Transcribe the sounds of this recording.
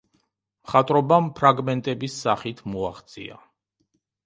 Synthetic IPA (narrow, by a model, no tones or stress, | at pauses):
mχat̪ʼɾɔbampʰɾaɡmɛnt̪ʼɛbisːaχit̪ʰmua̰χt̪sʼḭa̰